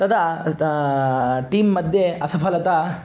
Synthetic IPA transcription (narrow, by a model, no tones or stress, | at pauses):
t̪ɐd̪ɐ | ʈiːmːɐd̪ʱjeɐsɐpʰɐlɐt̪a